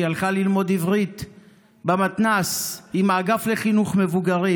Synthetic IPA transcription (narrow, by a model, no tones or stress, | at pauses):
jalχalilmo̞d̪ivʁit̪ | bamat̪nasimaːɡafle̞χinuχme̞vuɡaʁi